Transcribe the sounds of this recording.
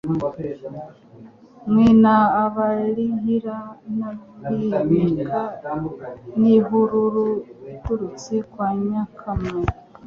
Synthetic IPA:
mwinaːβaliɦiɾanaβkiɲiɡa | niɦuɾuɾukuɾut͡sikwaɲakʰamaɾ

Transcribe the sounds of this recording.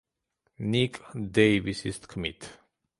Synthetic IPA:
nikd̪eɪvisistkʰɔmit

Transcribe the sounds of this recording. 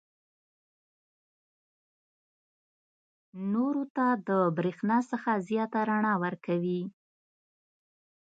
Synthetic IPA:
noɾot̪ad̪əbɾexnɑsəxazjɑt̪aɾaɳɑwəɾkawi

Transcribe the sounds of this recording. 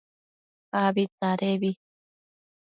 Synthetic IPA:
aβit̪aɾeβi

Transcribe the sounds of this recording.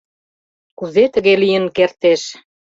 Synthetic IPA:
kuzet̪ə̆ɣelijə̆nkert̪eʃ

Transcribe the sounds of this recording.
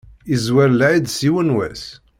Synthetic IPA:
izwæɾlʕid̪siwənwæ̰s

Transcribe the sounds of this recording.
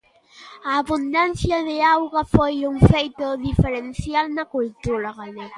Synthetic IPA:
aːβund̪ansjaðeawɣafojuŋfejt̪oðifeɾensjalnakult̪uɾaɣane

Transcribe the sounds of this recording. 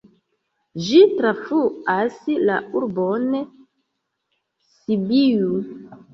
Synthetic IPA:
d͡ʒitɾafuaslauɾbon | sibiju

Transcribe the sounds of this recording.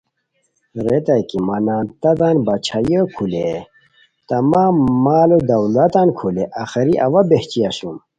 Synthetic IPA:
ɾet̪ɐjkimɐnaːnt̪ɐd̪anbɐt͡ɕʰajəkʰule | t̪ɐmamːaːlod̪ɐwlɐt̪ankʰuleʔaxɐɾiʔɐwɐbeht͡ɕiɐɕum

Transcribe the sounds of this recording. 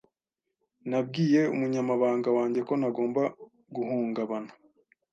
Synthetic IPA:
nabɡiːje̞umuɲamaβaːŋɡawaːɲɟe̞ko̞naɡo̞ːmba | ɡuɦuːŋɡaβanu̥

